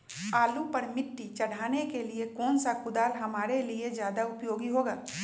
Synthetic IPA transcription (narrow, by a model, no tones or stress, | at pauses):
aːlupɐɾmɪʈːit͡ʃɐɽ̤aːnekeliekɔːnsakʊd̪aːlɦɐmaːɾeliezjaːd̪aʊpjoːɡiɦoːɡaː